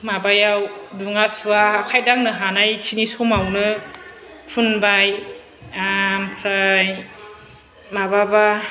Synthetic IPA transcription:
mabajawduŋasuaːkʰajdaŋnɯɦanajt͡ʃʰinisɔmawnɯ | pʰunbaj | ampʰɾaj | mababa

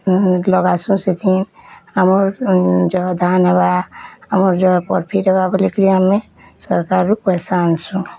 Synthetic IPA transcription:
lɔɡaːsũset̪ʰinəmoɾd͡ʒod̪ʱaːnebaəmoɾd͡ʒɔpɔɾpʰiɾebabəlikɾijamːẽ | səɾkaːɾːukəsaːnsũ

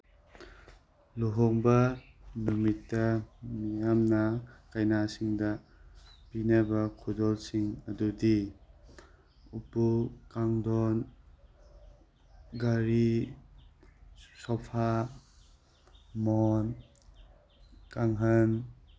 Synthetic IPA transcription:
luɦɔŋbɐ | numitːɐmijamnakajnasiŋdɐ | pinabɐkʰudɔlsiŋɐdudi | upukaŋdɔn | ɡaɾi | sɔpʰa | mɔn | kaŋɦɐn

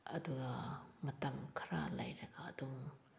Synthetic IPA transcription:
ɐ̰duɡɐmɐtɐmkʰɐɾa̰lɐjɾɐɡaːduŋ

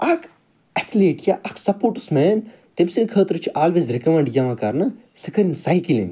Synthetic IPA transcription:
ɐkʰ | ɐt̪ʰleːʈjaʔɐkʰsɐpoːɾʈu̥smeːn | t̪emsinkʰəːt̪ɾɨt͡ʃʰiʔaːlʋeːzɾikɐmeɳɖjɐmãkɐɾnɐ | sɨkʰɐɾinsajkilḭn

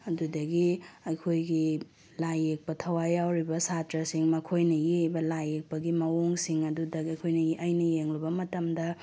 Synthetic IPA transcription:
ɐdudɐɡiɐjkʰojɡi | lajːek̚pɐtʰɐwajawɾibɐsatɾɐsiŋmɐkʰojnɐjebɐlajek̚pɐɡimɐwoŋsiŋɐdudɐɐjkʰojnɐjʔɐjnɐjeŋlɐbɐmɐtɐmdɐ

